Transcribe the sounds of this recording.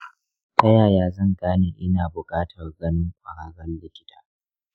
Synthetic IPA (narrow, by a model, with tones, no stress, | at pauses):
tʰɐ˦jaː˨jaː˦zɐ˦˨ŋɡaː˦neː˨ʔɪ˦naː˨bʊ˨kʼaː˦tʰɐ˨rɡɐ˦nɪ˦ŋkʷʼɐ˨ɽaː˨ɽɐ˦nlɪ˦kʲɪ̥˦tʰaː˦